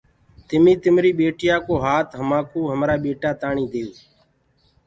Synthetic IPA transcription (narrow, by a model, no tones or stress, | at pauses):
t̪ɪmiːt̪ɪmɾiːɓeːʈɪjaːkoːɦaːt̪ɦəmaːkoːɦəmɾaːɓeːʈaːt̪aːɳiːd̪eːoː